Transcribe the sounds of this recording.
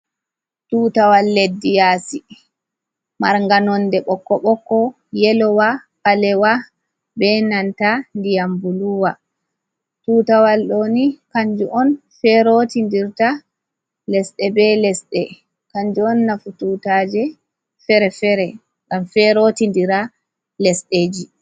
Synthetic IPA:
tuːtawalːedːijasi | maɾŋɡanɔndɛɓɔkːɔɓɔkːɔ | jɛlɔwapalɛwa | bɛnantandijambuluwa | tuːtawalɗoːnikaɲd͡ʒuʔɔnfɛɾotindiɾta | lɛsɗɛbɛlɛsɗɛ | kaɲd͡ʒuɔnːafututad͡ʒɛ | fɛɾɛfɛɾɛ | ŋɡamfɛɾotindiɾa | lɛsɗeːd͡ʒi

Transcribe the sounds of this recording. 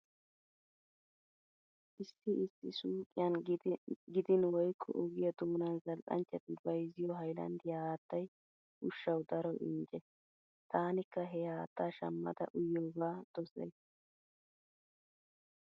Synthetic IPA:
ʔɪsːɪɪsːɪsuːkʼɪjɐn | ɡɪd̪ɪnwɔjkʰːɔ̰ʔɔɡɪjɐd̪ʊːnɐnzɐlʔɐ̰nt͡ʃːɛt̪ːɪbɐjzɪjɔɦɐjlɐ̰nd̪ɪjɐaaːt̪ːɐj | ʔʊʃːɐwd̪ɐɾɔʔɪ̰nd͡ʒɛ | t̪aːnɪkːɐɦɛjaːt̪ːaːʃɐmːɐ̰d̪ɐ̰ʔʊjːoːɡaːd̪̥ɔsɛ̰js

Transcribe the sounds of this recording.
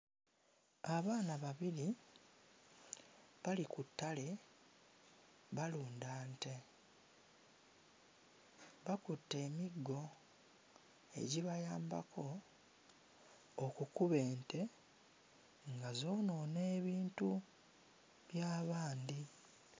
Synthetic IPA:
aβaːnaβaβiɾi | βalikutːale̞ | βaluːndaːnte̞ | βakutːe̞ːmiɡːo̞ | e̞̰ɟiβajaːmba̰kʰo̞ | kukuβe̞ːntʰe̞ | ŋɡazo̞ːno̞ːne̞ːβiːntu | βjaːβaːnd̪i

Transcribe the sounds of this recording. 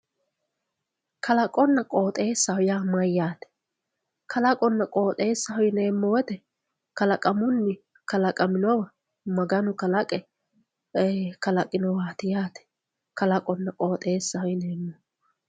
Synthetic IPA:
kʰɐlɐkʼɔnːɐkʼo̞ːt̪ʼe̞ːsːɐhʊjaːmɐjːaːt̪ɛ̥ | kʰɐlɐkʼɔnːɐkʼo̞ːt̪ʼe̞ːsːɐɦɔjneːmːɔwɛt̪ɛ | kɐlɐkʼɐmʊnːɪ | kɐlɐkʼɐmɪnɔwɐ | mɐɡɐnʊkɐlɐkʼɛ | kɐlɐkʼɪnɔwaːt̪ɪjaːt̪ɛ̥ | kɐlɐkʼɔnːɐkʼo̞ːt̪ʼe̞ːsːɐhɔjɪne̞ːmːɔ

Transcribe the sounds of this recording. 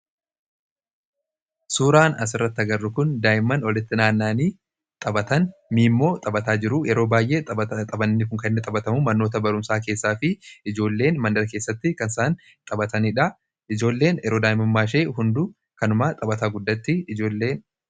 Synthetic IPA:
suːɾaːnɐs̬ɪrːɐt̪ːɪɐɡɐrːʊkʊnd̪aːjɪmɐnɔlɪt̪ːɪnaːnːaːniː | t̪ʼɐbɐt̪ɐnmiːmːo̞ːt̪ʼɐbɐt̪aːd͡ʒɪɾʊjɛɾo̞ːbaːjʔe̞ːt̪ʼɐbɐnːɪkʊŋkɐɪnːɪt̪ʼɐbɐt̪ɐmʊmɐnːo̞ːt̪̬ɐbɐɾʊmsaːke̞ːsːaːfɪɪd͡ʒo̞ːlːe̞ːnmɐnd̪ɐɾɐke̞ːsːɐt̪ːɪkɐnsaːn | t̪ʼɐbɐt̪ɐnɪᶑɐ | ɪd͡ʒo̞ːlːe̞ːnjɛɾo̞ːd̪aːɪmɐmːaːʃe̞ːɦʊnd̪ʊ | kɐnʊmat̪ʼɐbɐt̪aːɡʊd̪ːɐt̪ːɪɪd͡ʒo̞ːlːe̞ːn

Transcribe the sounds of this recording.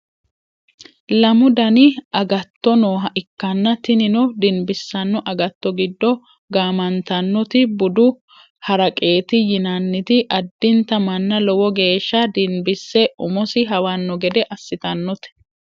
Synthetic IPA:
lɐmʊd̪ɐnɪɐɡɐt̪ːɔnoːɦɐʔɪkːɐnːɐt̪ɪnɪnɔd̪ɪnbɪsːɐnːɔʔɐɡɐt̪ːɔɡɪd̪ːɔ | ɡaːmɐnt̪ɐnːɔt̪ɪbʊd̪ʊ | hɐɾɐkʼe̞ːt̪ɪjɪnɐnːɪt̪ɪʔɐd̪ːɪnt̪ɐmɐnːɐlɔwɔɡe̞ːʃːɐd̪ɪnbɪsːɛʔʊmɔsɪɦɐwanːɔɡɛd̪ɛʔɐsːɪt̪ɐnːɔt̪ɛ̥

